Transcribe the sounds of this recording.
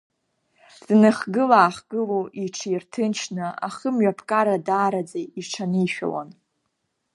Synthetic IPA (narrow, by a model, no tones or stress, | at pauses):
z̥nɨχɡɨlaːχɡ̥ɨloʔiʈ͡ʂʰirtʰɨnt͡ʃʰnɨa̰χəmɥapʰkʼaɾadaːɾad͡zajiʈ͡ʂʰaniʃᶣa̰wa̰n